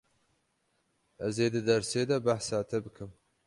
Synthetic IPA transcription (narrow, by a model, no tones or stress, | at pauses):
ʔɛzeːd̪ɨd̪ɛɾseːd̪ɛbaħsaːt̪ʰɛbɨkʰɨm